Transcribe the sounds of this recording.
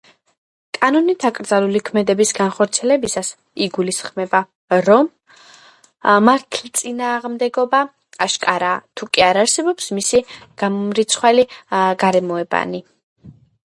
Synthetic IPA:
kʼanɔnit̪ʰakʼɾd̪zalulikʰmɛd̪ɛbisɡanχɔɾt̪sʰiɛlɛbisas | iɡulisχmɛba | ɾɔm | aɾt̪ʰlit̪sʼinaːʁmd̪ɛɡɔbaː | ʃkʼaɾat̪ʰukʼiaɾaɾsɛbɔpsmisiɡ̥amɾit̪sʰχwɛliɡaɾɛmɔɛba̰ni

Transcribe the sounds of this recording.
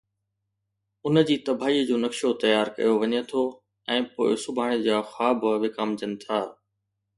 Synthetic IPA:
ʊnə̆d͡ʑiːt̪ɐbʱaːiːəd͡ʑoːnɐkʃot̪ɐjaːɾkɐ̰joʋɐɲet̪ʰoː | ɛ̃ːpo̰ːɪsʊbʱaːɽ̃ed͡ʑaːxaːbʱʋɪkaːmd͡ʑənɪ̆t̪ʰaː

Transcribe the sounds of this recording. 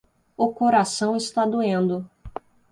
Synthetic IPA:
ʊkoɾasɐ̃w̃ɪst̪ad̪uẽnd̪ʊ

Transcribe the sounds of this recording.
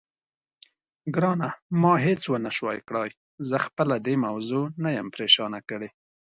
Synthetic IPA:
ɡɾɑnamɑɦet͡swənaʃwɑ̰jkɽɑj | zəxpəlad̪emawzonajəmpɾeʃɑnakəɽe

